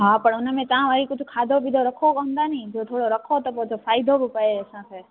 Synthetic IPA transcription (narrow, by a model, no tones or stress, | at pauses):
ɦapəɳʊnəmẽt̪ãʋaɾikʊt͡ʃʰukʰaːd̪ʱobʱid̪oɾəkʰokəɦʊ̃nd̪anəĩd͡ʒot̪ʰoːɽoɾəkʰot̪ɔpɔd͡ʒofʰaːjd̪ʱobʱipəesãkʰe